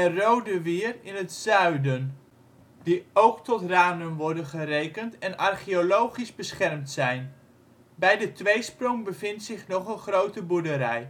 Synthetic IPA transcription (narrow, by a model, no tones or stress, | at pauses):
ərowdəʋɪːrɪnətsœɥdən | diowktɔtraːnəmʋɔɹdənχərejkəntɛnɑrχiolowχizbəsχɛrmtsɛjn | bɛjdətʋejsprɔŋbəvɪntsɪχnɔχənχrowtəbuɹdəɾɛ̰j